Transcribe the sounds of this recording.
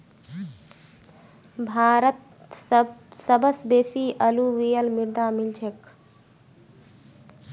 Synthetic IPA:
bʱaːɾət̪ | səbʱəsbeːsiʔəluʋijəlmiɾd̪amilt͡ʃʰek

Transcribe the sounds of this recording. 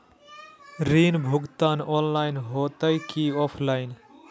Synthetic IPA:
ɾinbʱʊɡt̪aːnɔːnlaːɪnɦoːt̪əjkiɔːpʰlaːɪn

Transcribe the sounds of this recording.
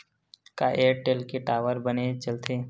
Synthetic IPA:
kaʔeːʈelkeʈaːʋəɾbənet͡ʃɐlt̪ʰeː

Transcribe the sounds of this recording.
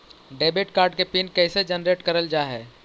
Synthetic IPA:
ɖeːbɪʈkaːɾɖkepinkɛːsed͡ʒənɾeːʈkəɾəld͡ʒaɦɛː

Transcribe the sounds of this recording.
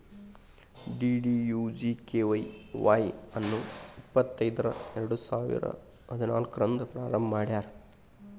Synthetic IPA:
ɖiːɖijuːd͡ʒikeːʋɐjʋaːjɐnːuipːɐt̪ːɐjd̪ɐɾɐ̰eɾɐɽusaːʋḭɾɐ̰ | ɦɐd̪unaːlkɾɐnd̪upɾaːɾɐmbɐmaːɽjaːɾe

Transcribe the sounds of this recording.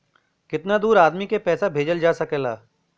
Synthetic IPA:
kɪt̪nad̪uːɾaːd̪mikepɛːsabʱeːd͡ʒəld͡ʒaːsɐkelaː

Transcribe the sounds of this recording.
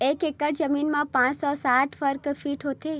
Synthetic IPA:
ekekəɽd͡ʒəminmãpãt͡ʃsɔsaʈfʰəɾkəɾfiʈɦot̪ʰe

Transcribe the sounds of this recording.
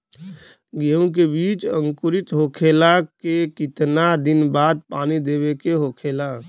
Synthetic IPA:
ɡeũk̬ebiːt͡ʃə̃ŋkʊɾɪt̪ɦoːkʰeːlakekɪt̪nad̪ɪnbaːd̪̚paːnid̪eːbekeɦoːkʰeːla

